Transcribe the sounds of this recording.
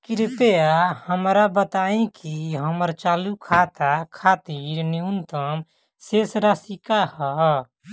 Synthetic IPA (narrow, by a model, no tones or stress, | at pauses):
kiɾpeahəmɾabət̪aĩkiɦəməɾt͡ʃalukʰat̪akʰat̪iɾniunt̪əm | sesɾasikahə